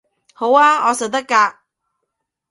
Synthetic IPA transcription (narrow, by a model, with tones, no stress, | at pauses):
ho˨˥waː˧ɔː˨˧sɐ˨˩t̪ɐ˥kːaː˧k̚